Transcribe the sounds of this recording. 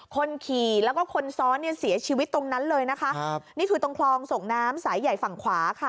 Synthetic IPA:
kʰo˧nkʰiː˨˩lɛː˦˥wkɔː˥˩kʰo˧nsɔː˦˥nːi˥˩si˨˩˦ɐt͡ɕʰiː˧wi˦˥t̪ːo˧ŋna˦˥nlɤː˧jna˦˥kʰa˦˥ʔniː˦˥˩t̪ʰuː˨˩t̪o˧ŋkʰlɔː˧ŋso˨˩ŋnaː˦˥msaː˩˦jːa˨˩jfa˨˩ŋkʰwaː˩˦kʰa˥˩

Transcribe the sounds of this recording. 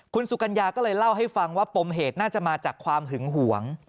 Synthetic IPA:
kʰu˧nsu˨˩ka˧njaː˧kɔː˥˩lɤː˧jla˥˩wɦa˥˩jfa˧ŋwaː˥˩po˧mɦeː˨˩t̪̚naː˥˩t͡ɕa˨˩maː˧t͡ɕaː˨˩kʰwaː˧mɦɯ˩˦ŋɦu˩˦əŋ

